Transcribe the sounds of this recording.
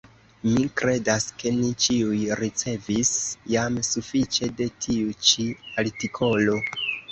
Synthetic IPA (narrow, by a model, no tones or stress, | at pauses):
mikɾe̞daske̞nit͡ʃiujɾit͡se̞visjamsufit͡ʃe̞de̞tʰiut͡ʃiaɾtikʰo̞lo̞